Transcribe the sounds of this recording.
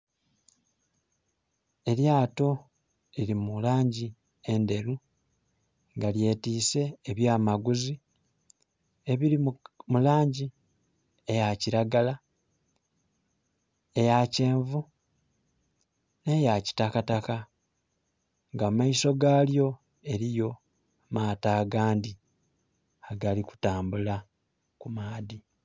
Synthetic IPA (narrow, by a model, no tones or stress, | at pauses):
e̞ljaːto̞ | iɾimulaːɲɟi | e̞nde̞ɾu | ŋɡalje̞ːtiːse̞ːβjaːmaɡuzi | eβiɾimulaːɲɟi | e̞jaciɾaɡala | e̞jace̞ːɱvu | ne̞jaci̥takataka | ŋɡamaiso̞ɡaːljo̞ | e̞ɾijo̞ | maːtaːɡaːndi | aɡaliku̥taːmbula | kumaːði